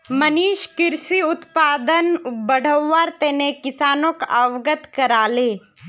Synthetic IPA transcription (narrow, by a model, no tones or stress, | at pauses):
mɐniːʃkɪɾsiʊt̪paːd̪ənbəɽ̤əwːaːɾt̪eːnekɪsaːnõːkaʋɡət̪kɐɾaːleː